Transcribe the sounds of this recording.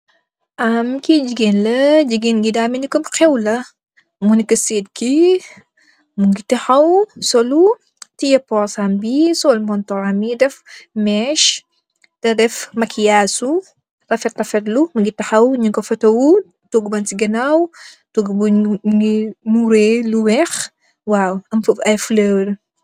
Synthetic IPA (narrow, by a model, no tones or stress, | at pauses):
ʔamkid͡ʒiɡenlɐd͡ʒiɡinɡidaminikɐmxɛwlɐ | munikɐsed̚ki | muŋɡitiħawsɔlu | tijɐpɔɾsambisɔlmɔntɔɾamidɛfmɛʃ | tɐdɛfmɐkʰijaːsu | rɐfɛttɐfɛɾlumuɡitːɐħɐwɲuŋkɔfɐtɐwu | toɡbɐntiɡɐnaw | toɡbuɡimuɾeluwɛx | wawɐmfɐɐjfləɾ